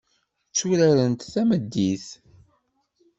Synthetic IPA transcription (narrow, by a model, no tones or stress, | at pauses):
t͡sːuɾæɾənt̪θæməd̪ːiθ